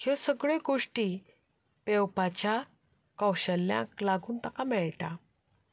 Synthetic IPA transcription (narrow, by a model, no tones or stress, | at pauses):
kiwãsəɡɭeɡoʂʈi | pɛwpat͡ɕja | kəwɕəlːjã̰klaɡuːnt̪akamɛɭʈa